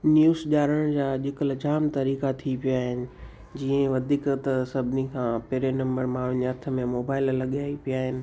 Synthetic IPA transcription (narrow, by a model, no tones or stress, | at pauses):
njuːzʄaːɾəɽ̃d͡ʑaːʄɪkəld͡ʑaːmt̪ɐɾiːkat̪ʰipijaɦɪnɪ̆ | d͡ʑiːə̃ʋɐd̪ʱiːkt̪ɐsɐbʱnikʰãːpeːɾenɐ̃mbəɾmãːʋɪɲɐt̪ʰə̆mẽmoːbaːɪllɐɠiaːipijaːɦɪnɪ̆